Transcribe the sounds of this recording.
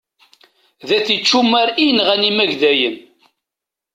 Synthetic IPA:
ðæθit͡ʃːumːæɾinʁænimæʝðæjən

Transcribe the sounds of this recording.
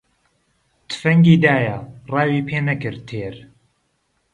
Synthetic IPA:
t̪ʰɨ̥fɐŋɡiːd̪aːjɐrˤɑːwiːpʰeːnɐkɨɾt̪ʰeːɾ

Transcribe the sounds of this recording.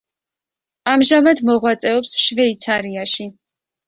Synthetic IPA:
amʒamad̪mɔʁwat̪sʼɛɔpsʃvɛit̪sʰaɾiaʃi

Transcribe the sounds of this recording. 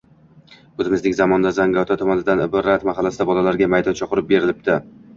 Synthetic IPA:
ɵzɪmɪzlɪkʲzamɒnd̪azaŋɡat̪ʰat̪ʰɒmɒnɪd̪anɪbɒɾat̪maɦalːasɪd̪abɒlalaɾɡʲamajd̪ɒnt͡ʃʰɒqʊɾɪp̚be̞ɾɪlɪp̚d̪ɪ

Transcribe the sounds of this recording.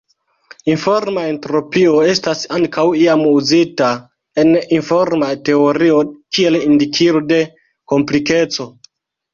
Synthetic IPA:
info̞ɾmae̞ntɾo̞pio̞e̞stasaŋkawiamuzita | e̞ninfo̞ɾmate̞o̞ɾio̞kie̞lindikʰiɾode̞ | ko̞mplike̞t͡so̞

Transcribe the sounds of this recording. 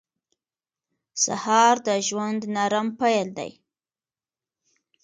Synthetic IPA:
sa̰hɑɾd̪əʒwand̪naɾampajəld̪a̰j

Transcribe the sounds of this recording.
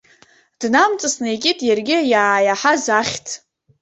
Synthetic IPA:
d̥namt͡sʼasnejkʲʼitʼjarɡʲɪjaːjaħazaχʲtʰ

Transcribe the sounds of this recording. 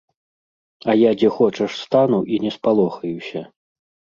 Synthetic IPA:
ɐjad͡zʲɛxɔt͡ʂɐʂst̪anuʔinʲɛspalˠɔxɐjusʲɐ

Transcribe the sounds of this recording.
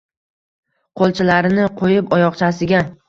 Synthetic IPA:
qʰolˠt͡ʃʰɪlaɾɪnɪqʰojɪpɒjɒqt͡ʃʰasɪɡʲa

